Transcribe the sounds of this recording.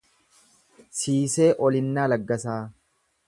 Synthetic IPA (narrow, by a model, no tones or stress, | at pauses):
siːse̞ːʔɔlɪnːaːlɐɡːɐsaː